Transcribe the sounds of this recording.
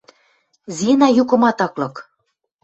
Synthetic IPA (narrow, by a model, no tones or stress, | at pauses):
zinɑjukɤ̆mɑt̪ɑklɤ̆k